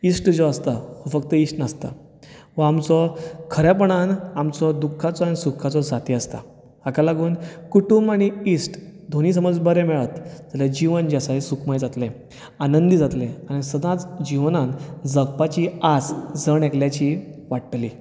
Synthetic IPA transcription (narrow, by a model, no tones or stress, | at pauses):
isʈd͡zɔəst̪aʋəfəkt̪əisʈnast̪a̰ | ʋəamt͡sɔkʰəɾjɛp̬əɽ̃anamt͡sɔd̪ukʰːat͡sɔañisukʰːat͡sɔd͡zat̪iəst̪a̰ | akalaɡuːnkuʈumaɽ̃iisʈd̪ʱoñiːsəməd͡zbəɾɛmɛɭət̪d͡zalad͡ʑiʋənd͡ʑasasukʰmajd͡zat̪lẽ | anənd̪id͡zat̪lẽaɽ̃isəd̪ãt͡sd͡ʑiʋnand͡zəɡ̚pat͡ɕiasd͡zəɳekljat͡ɕiʋaʈʈli